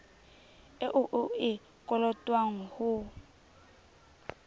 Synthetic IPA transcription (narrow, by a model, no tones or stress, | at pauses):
ɪʔʊʔʊɪ | kʼɔlɔtʼwaŋ̩hʊ